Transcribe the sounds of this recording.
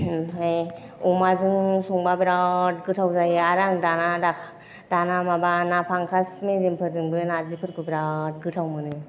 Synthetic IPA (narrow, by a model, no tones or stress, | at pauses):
aj | ɔmazɯŋsɔŋbabiɾat̚ɡɯtʰawzajɯaɾaŋdanada | d̥anamabanapʰaŋkʰasmezempʰɯɾzɯŋbɯnazipʰɯɾ̚kʰɯbiɾat̚ɡɯtʰawmɯnɯ